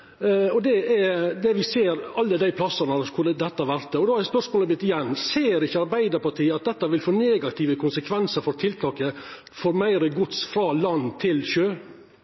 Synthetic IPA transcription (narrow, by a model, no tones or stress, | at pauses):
ɔd̪ɛɛd̪ɛʋɪseːɾɑlːəd̪æɪpʰlɑsːənəskʉləd̪ɛt̪ːɑʋæɾt̪əɔd̪oːhɑɛspœʂmoːləbʏt̪ːɪjɛnːseːɾɪçːəɑɾbæɪd̪əɾpɑʈʰiːɑt̪̚d̪ɛt̪ːɑʋɪlfoːneːɡɑt̪ʰɪːʋəkʰʊnsəkʰʋɛnsəɾfɔɾt̪ʰɪlt̪ʰɑːkə | fɔɾmæɪɾəɡʊt̪sfɾɑlɑnːt̪ʰɪlɕøː